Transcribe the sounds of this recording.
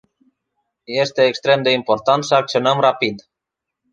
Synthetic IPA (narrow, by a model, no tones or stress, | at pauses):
je̞st̪e̞ːkst̪ɾe̞md̪e̞impo̞rt̪ant̪səak̚t̪sionəmrapid̪